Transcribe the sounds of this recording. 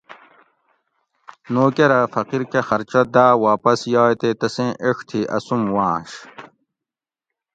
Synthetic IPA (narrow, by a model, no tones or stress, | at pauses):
noːkeɾɐfɐqiɾkexɐɾt͡ɕɐd̪aːwaːpɐsjaːjt̪et̪ɐsẽːʔeʂt̪ʰiʔɐ̰sumwãːɕ